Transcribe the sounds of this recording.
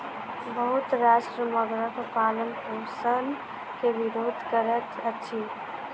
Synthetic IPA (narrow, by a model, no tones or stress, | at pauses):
bəɦʊt̪ɾaːʃʈɾəməɡɾəɦpaːlənkosən | keʋɪɾoːd̪ʱkəɾət̪ɐtːʃʰi